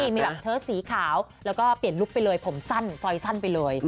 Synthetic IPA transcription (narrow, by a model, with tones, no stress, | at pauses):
i˥˧˩miː˧bɛː˨˩t͡ɕʰɤː˥siː˩˦kʰaː˩˦wlɛː˦˥wkɔː˥˩pli˨˩ənlu˦˥k̚pa˧jlɤː˧jpʰo˨˩˦msa˥˩nsɔ˧jsa˥˩npa˧jlɤː˧j